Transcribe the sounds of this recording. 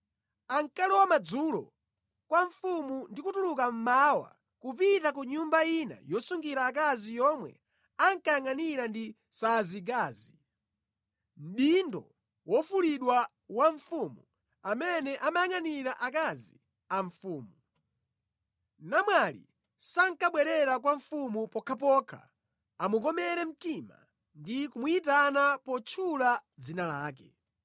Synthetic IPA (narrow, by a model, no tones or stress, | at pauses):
aŋkalɛwamad͡zulɔ̰ | kwaɱfumundikutulukam̩mawa̰ | kupitak̬uɲumbaina̰jɔsuŋɡiɾaːk̬azijɔmwɛ̰ | aŋkajaŋaniɾandi | saːziɡ̬aːzi | m̩ɗindɔ̰ | wɔfuliɗwa | waɱfumu | amɛnɛʔamajaŋaniɾaʔakazḭ | aɱfuːmu | namwalḭ | saŋ̩kaɓwɛɾɛɾak̬waɱfumupɔkʰap̬ɔkʰa̰ | amukɔmɛɾɛm̩tima̰ | ndikumuitanapɔt͡ʃʰulad͡zinalaːk̬ɛ̰